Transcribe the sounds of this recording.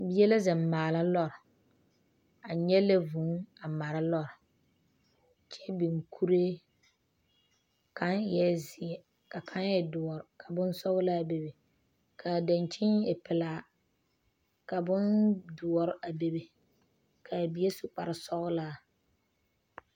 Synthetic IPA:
bi˦ɛ˦la˦zɪ˨m˨mːaː˨la˦lɔ˦˨ɾ | a˨ɲɛ˦lɛ˦vu˨˦ŋa˨ma˨ɾa˦lɔ˦ɾ | t͡ʃɛ˦bi˨ŋkʰu˦ɾe˦ | ka˦njɛ˦zɪ˨ɛ˨ | ka˨kʰa˦njɛ˨dʊ˨ɔ˨ɾkʰa˨bʊ˦n˦sɔ˦ɣʊ˦la˦be˨be˨ | kʰa˨da˨nt͡ʃɪ˦ŋɛ˨pɪ˨laː˨ | ka˨bʊ˦ndʊ˨ɔ˨ɾɪ˦ʔa˨be˦be˨ | kʰa˨bi˦e˦sʊ˨k͡pa˨ɾɪ˨sɔ˦ɣʊ˦la˦˨

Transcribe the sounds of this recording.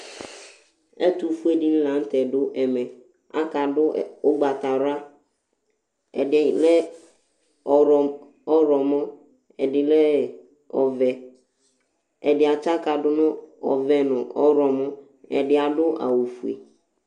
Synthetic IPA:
ɛ˦tu˦fu˦e˦di˦n̩˦lã˨˦n̩˦tɛ˨dʊ˦ʔɛ˨mɛ̃˨ | a˦ka˨dʊ˦˨ʊ˦ɡ͡ba˨ta˨ɾʊ˦a˦ | ɛ̰˨dɪ˨lɛ˦ | ɔ˨ɾɔ˨ | ɔ˦ɾɔ˨mɔ̃˦ | ɛ˨dɪ˨lɛ˦ | ɔ̰˨vɛ˨ | ɛ˨dɪ˨a˨t͡ʃa˦ka˨dʊ˦nʊ̃˦ɔ̰˨vɛ˨nʊ̃˨ʔɔ˦ɾɔ˨mɔ̃˦ | ɛ̰˨dɪ˨a˨dʊ˦ʔa̰˨wu˨fu˨ḛ˨

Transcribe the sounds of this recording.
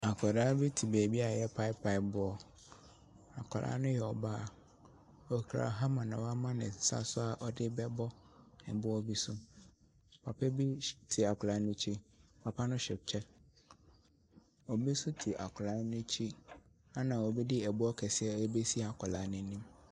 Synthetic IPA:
a˨kʰɔ˨daː˦bi˦tʰi˨bɛː˨bi˦a˨jɛ˦pʰa˦ɪ˦pʰa˨ɪ˨bʊ˦ɔ˦˨ | a˨kʰɔ˨lʔa̰˦nʊ̃˦jɛ˨ɔ˨baː˦˨ | ɔ˨kʰɾa̰˨ɦa˦mã˨nã˨wa˦mã˦nɪ̰̃˨sa̰˦sʊ˦a˨ʔɔ˦dɪ˦bɛ˦bɔ˦nɪ̰̃˨bʊ˦ɔ˦bi˦sʊ˦ | pʰa˨pʰɛ˦bi˦tʰi˨a˨kʰʊ˨la˨˦nʊ̃˦t͡ɕʰi˦pʰa˨pʰa˦nʊ̃˦ɕᶣɛ˨p̚t͡ɕʰɛ˦ | ɔ˨bi˦sʊ˦tʰi˨ʔa˨kʰʊ˨laː˨˦nʊ̃˦t͡ɕʰi˦ | a˦nã˨wɔ˨bi˦dɪ˦ɛ˨bʊ˦ɔ˦kʰɛ˨sɪ˦ɛ˦ɛ˦be˦si˦˨a˨kʰɔ˨la˨˦nʊ̃˨˦nĩ˦m

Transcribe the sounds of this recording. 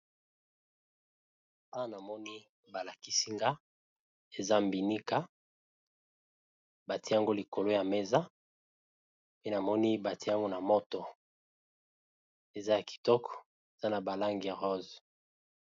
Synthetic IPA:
pa˦na˨mɔ˦ni˦ | ba˨la˨ki˦si˦ŋɡa˦ | e˨za˦mbi˨ni˦ka˦ | ba˨ti˦ja˦ŋɡo˦li˨ko˨lo˦ja˨me˦za˦ | pe˦na˨mɔ˦ni˦ba˨ti˦ja˦ŋɡo˦na˨mo˦to˨ | e˨za˦ja˨ki̥˨tɔ˦kɔ̥˨ | e˨z̥a˦na˨ba˨la˦ŋɡi˨a˨ʁɔ˦z

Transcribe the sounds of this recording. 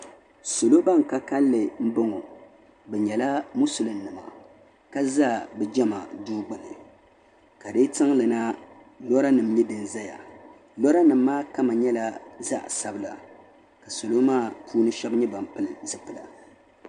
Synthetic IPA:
so˨lo˦ba˦ŋ˨ka˦ka˦lːɨ˨m̩˦bɨ˦ŋɔ˨ | bɛ˨ɲɛ˨la˦mʊ˦sʊ˨lɨ˨nː˦ɨ˨ma̰˨ | ka˦za˦˨bɨ˦d͡ʒɛ˦ma˨duː˦ɡ͡bɨ˨nɨ̰˨ | ka˨dɨ˦tɨ˦ŋlɨ˨na˦ | lɔ˦ɾa˦nɨ˨mɲɛ˦dɨ˨nza˦ja̰˨ | lɔ˦ɾa˦nɨ˨mː˦aː˦ka˦ma˨ɲɛ˦la˦za̰˦ʔsa˦bɨ˦la̰˨ | ka˨so˨lo˦maː˦˨pʰuː˦nɨ˦ʃɛ˦bɲɛ˦ba˨m̩˨pɨ˦lɨ˨zɨ˦pɨ˨la̰˨

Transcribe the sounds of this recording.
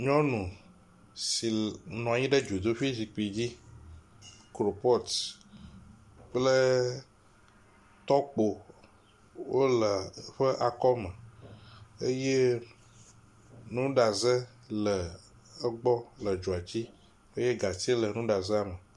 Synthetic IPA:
ɲɔ̃˦nũ˨ | si˨nũ˨a˨ɲĩ˦ɖə˦d͡ʒu˨d̪o˦ɸi˦si˨k͡pi˨d͡ʑi˦ | kɾo˨pɔ˦t̪ | k͡plə˦ | t̪ɔ˦k͡po˨ | wo˦lə˨ɸə˦ʔa˨kɔ˦mə˨ | ə˦je˦ | nũ˦ɖa˨zə˦ | lə˨ | ə˦ɡ͡bɔ˦lə˨d͡ʒo˨a˨t͡ɕi˦ | e˦je˦ɡa˨ti˦lə˨nũ˦ɖa˨zə˦a˨mə˨

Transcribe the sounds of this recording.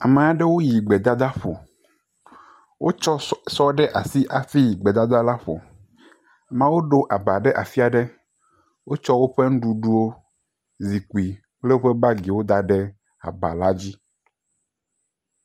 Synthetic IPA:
a̰˨mẽ˨a˦ɖe˦wo˦ji˨ɡ͡be˨d̪a˦d̪a˦ɸo̰˨ | wʔo˦t͡ʃɔ˦sɔ˦ɖɛ˦ʔa˨si˦ʔa˨fi˦ji˨ɡ͡be˨d̪a˦d̪a˦la˦ɸo̰˨ | mã˦wo˦ɖo˦ʔa˨ba˨ɖɛ˦ʔa˨fi˦a˨ɖe˦ | wo˦t͡ʃɔ˦wo˦ɸe˦ŋ̩̃˦ɖu˨ɖu˦wo˦ | zi˨ku˨i˨ | k͡ple˦wo˦ɸe˦ba˦ɡi˨wo˦d̪a˨ɖɛ˦ | a̰˨ba̰˨la˦d͡ʑi˦

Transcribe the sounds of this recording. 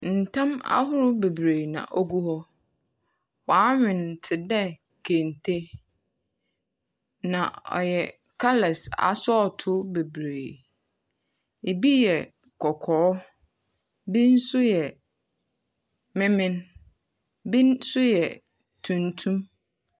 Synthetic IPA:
n̩˨tʰã˦ma̰˦ɦʊ˦ɾʊ˦be˨bɾeː˨nã̰˨ʔɔ˦ɡu˦hɔ˦ | wɔ˨a˦ɲᶣɪ̃˨n˨tʰɪ˨dɛ˦ | kʰẽ˨n˨tʰe˦ | nã˨ɔ̰˨jɛ˨ | kʰa˦lɛ˨sa̰˨sɔ˦˨tʰʊ˦be˨bɾeː˨ | e˨bi˦jɛ˨ | kʰɔ˨kʰɔː˨˦ | bĩ˦n̩˦sʊ˦jɛ˨ | mɪ̃˦mɪ̃˦n | bĩ˦nsʊ˦jɛ˨ | tʰũ˨ntʰũ˦m

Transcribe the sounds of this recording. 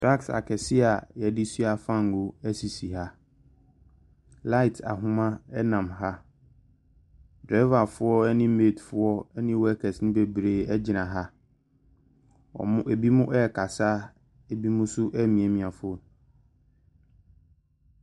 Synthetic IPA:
tʰɾa˦ksa̰˨kʰɛ˨sɪ˦a˨jɛ˨dɪ˦sɥa˨fã˦˨ŋ˨o˨æ˦si˨si˨ɦa˦ | la˦ɪ˨tʰa̰˨ɦʊ̃˦mã˦ɛ˦nã˨mɦa˦ | dɾa˦va˨fʊ˦ɔ˦ɛ˦nɪ̃˦meː˦˨tfʊ˦ɔ˦ɛ˦nɪ̃˦wɔ˦ɛ˦kʰɛ˨snɪ̃˦be˨bɾe˨ɛ˦d͡ʑɪ˨nã˨ɦa˦ | ɔ̰˨mʊ̃˦e˨bi˦mʊ̃˦ʔɛ˦˨kʰa˨sa˦ | e˨bi˦mʊ̃˦sʊ˦ʔɛ˦mĩ˨e˨mĩ˨a˨fʊ˦ɔ˦˨ñ˨

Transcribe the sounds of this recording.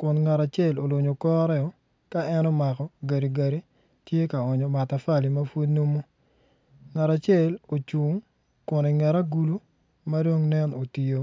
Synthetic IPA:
kʊ˨nŋa˨ɾa˨t͡ʃe˦˨lo˨lo˨ɲo˨kɔ˦ɾɛ˦ɔ˨˦ | ka˦ɛ˦nɔ˦ma˨kɔ˨ɡa˨ɾi˨ɡa˨ɾi˦ | tje˦ka˨ɔ˨ɲɔ˨ma˨ta˨fa˦˨li˨ma˦fu˦dno˦mo˦ | ŋa˨ɾa˨t͡ʃe˦˨lo˨t͡ʃu˨ŋ | kʊ˨ni˨ŋɛ˨ɾa˦ɡu˦lu˦ | ma˦do˦ŋnɛ˦no˨ti˨jo˦

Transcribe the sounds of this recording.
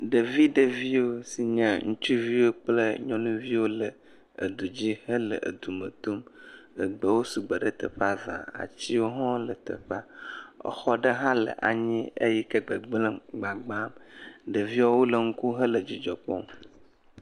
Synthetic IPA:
ɖə˨vi˦ɖə˨vi˦wo˦si˨ɲə̃˨ŋũ˦t͡ʃu˦vi˦wo˦k͡plə˦ɲɔ̃˦nũ˦vi˦wo˦lə˨ | ə̰˨d̪u˨d͡ʑi˦hə˦lə̰˨ʔə̰˨d̪u˨mə̰̃˨t̪o˦mə˨ɡ͡bə˨wo˦su˨ɡ͡bə˨ɖə˦t̪ə̰˨ɸa˦vã̰˨a̰˨t͡ɕi˦wo˦ɦɔ̃˦lə˨t̪ə̰˨ɸa˦ə̰˨xɔ˦ɖə˦ɦã˦lə̰˨ʔa̰˨ɲĩ˦ə̰˦jɛ˦kə˦ɡ͡bə˨ɡ͡blə̃˦ɡ͡ba˨ɡ͡ba˦mɖə˨vi˦a˦wo˦lə˨ŋ̩˦ku˦ɦə˦lə˨d͡ʑi˨d͡ʒɔ˨k͡pɔ̰˦˨m

